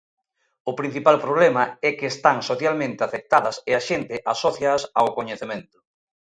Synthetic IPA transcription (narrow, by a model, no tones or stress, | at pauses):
ʊpɾin̟θipalpɾoβ̞lɛmɐɛkɪːst̪aŋsoθjalmẽnt̪ɪafek̚t̪aðɐsɪaʃent̪ɪʔasoθjasawkoɲeθemẽnt̪ʊ̥